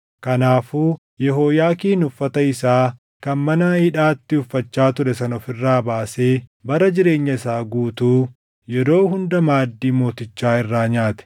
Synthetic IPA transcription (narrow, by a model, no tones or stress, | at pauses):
kɐnaːfuː | jɛɦoːjaːkiːnʊfːɐt̪ɐɪsaː | kɐnmɐnɐhɪᶑaːt̪ːɪʊfːɐt͡ʃːaːt̪ʊɾɛsɐnɔfɪrːaːbaːse̞ːbɐɾɐd͡ʒɪɾe̞ːɲːɐɪsaːɡuːt̪uː | jɛɾo̞ːhʊnd̪ɐmaːd̪ːiːmo̞ːt̪ɪt͡ʃːaːɪrːaːɲaːt̪ɛ̥